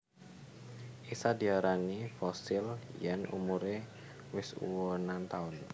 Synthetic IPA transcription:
ʔisadiaɾaŋifɔsɪljanṵmuɾe | wɪsṵwonant̪aʊn

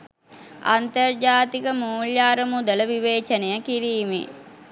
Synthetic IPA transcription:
a̰nt̪ərd͡ʒaːt̪ikəmuːljaːɾəmud̪ələʋiʋeːt͡ʃənejəkiɾiːmḛ

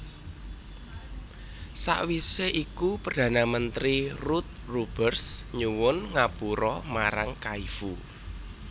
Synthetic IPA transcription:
sa̰ʔwiseʔikupərd̪̥ä̤namənt̪ɾirut̪̚rub̥ərsɲuwʊnŋapuɾɔmaɾa̰ŋkaifu

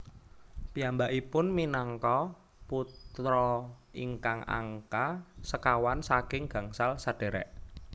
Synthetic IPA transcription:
piambaʔipʊnminɔŋkɔ | put̪ɾɔ | iŋkaŋa̰ŋkasəkawansakɪŋɡ̥a̤ŋsalsad̥e̤ɾɛ̰ʔ

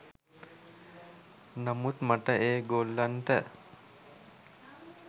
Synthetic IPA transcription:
namut̪maʈəʔeːɡolːanʈə

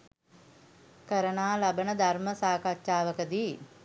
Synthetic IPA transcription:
kəɾənaːlabənəd̪ʱarməsaːkatʃaːʋəkəd̪iː

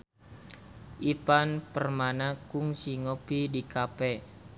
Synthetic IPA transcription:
ʔipanpərmanakuŋsiŋɔpidikapɛ

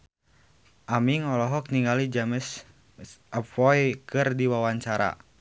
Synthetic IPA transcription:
ʔamiŋɔlɔɦɔk̚niŋɡalid͡ʒaməs | ʔəpɔjkɨrdiwawaɲt͡ʃaɾa̰

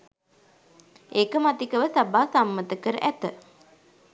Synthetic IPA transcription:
eːkəmat̪ikəʋəsabaːsamːət̪əkəɾə̰ʔæt̪ə

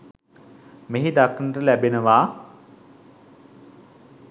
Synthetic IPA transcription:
meɦid̪aknərəlæbenəʋaː

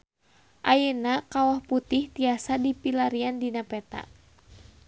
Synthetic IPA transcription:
ʔajənakawahput̪iht̪iasadipilaɾiandinapɛt̪a̰

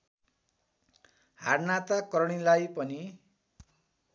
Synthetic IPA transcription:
harnat̪akʌɾɽ̃ilajpʌni

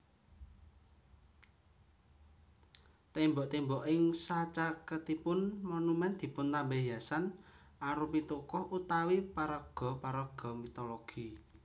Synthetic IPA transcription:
t̪embɔʔt̪embɔʔɪŋsat͡ʃakət̪ipʊnmɔnumɛnd̪̥i̤pʊnt̪ambeɦjasan | aɾupit̪ukɔhʔut̪awipaɾəɡ̥ɔ̤paɾəɡ̥ɔ̤mit̪ɔloɡ̥i

